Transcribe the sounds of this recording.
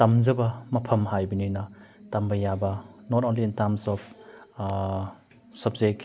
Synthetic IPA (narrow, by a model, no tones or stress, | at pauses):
tɐmzɐbɐmɐpʰɐmɦajbɐnojnɐtɐmbɐjabɐnɔtonliːntɐɾmsɔpʰ | sɐb̚zek̚